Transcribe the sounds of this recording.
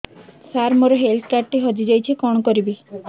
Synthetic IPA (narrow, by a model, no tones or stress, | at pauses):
saɾmɔɾɔɦelʈkaʈːeɦɔd͡ʒid͡ʒajt͡ʃʰikɔɽ̃ɔkɔɾibi